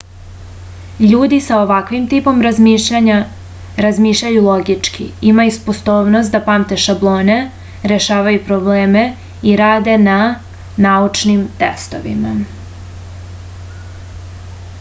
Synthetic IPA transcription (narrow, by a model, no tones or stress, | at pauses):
ʎuːd̪isao̞ʋakʋimt̪iːpo̞mɾaɲa | ɾazmiːʃʎʲajulˠo̞ɡit͡ʃkḭimajuspo̞st̪o̞ːʋnost̪̚d̪apamt̪e̞ʃablˠo̞ːne̞ | ɾe̞ʃaːʋajupɾobleːme̞ | iɾaːd̪e̞na | naut͡ʃnimt̪ḛst̪o̞̰ʋḭma